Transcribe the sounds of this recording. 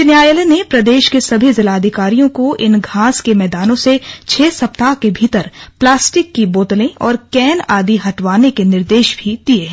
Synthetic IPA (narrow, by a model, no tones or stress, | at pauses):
njaːjəlenepɾɐd̪eːʃkesɐbʱizɪlaːɐd̪ʱɪkaːɾijõkoʔɪnɡʱaːskemɛːd̪aːnõset͡ʃʰeːsɐp̚t̪akebʱiːt̪əɾplaːsʈɪkːiboːt̪lẽʔɔːɾkɛːnaːd̪iɦɐʈʋwaːnekenɪɾd̪eːʃbʱid̪̥ieɦ